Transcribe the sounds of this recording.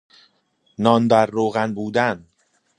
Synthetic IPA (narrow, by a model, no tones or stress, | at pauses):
nɒːnd̪æɾːoːɣænbuːd̪æn